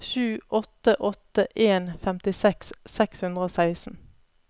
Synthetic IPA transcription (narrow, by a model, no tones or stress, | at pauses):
ʃʉːʔɔt̪əʔɔt̪əʔeːnfɛmt̪ɪsɛkssɛkshʉnd̪ʁəoːsæɪsn̩